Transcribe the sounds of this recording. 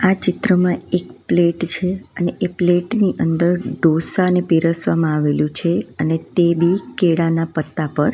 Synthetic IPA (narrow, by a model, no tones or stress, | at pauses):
at͡ʃɪt̪ɾəmãek̚pleʈt͡ʃʰeəneʔepleʈniʔənd̪əɾɖosanepiɾəsʋamãaʋelũt͡ʃʰeənet̪ebʱikeɽanapət̪ːapəɾ